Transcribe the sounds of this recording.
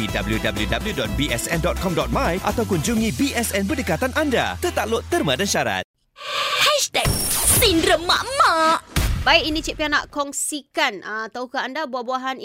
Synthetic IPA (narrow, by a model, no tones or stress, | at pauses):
idabəljudabəljudabəljudɔt̪̚biɛsɛndɔt̪̚kɔmdɔt̪̚mãjʔa̰t̪awkuɲd͡ʒuŋĩbiʔɛsɛnbədəkat̪anʔãnda̰t̪ət̪aʔloʔt̪ːərmãdanʃaɾa̰t̪̚ | hɛʃt̪ɛk̚sinɾəmaʔmaʔbaiʔinĩt͡ʃiʔpiana̰ʔkɔŋsikanat̪aukaandabuahbuaɦan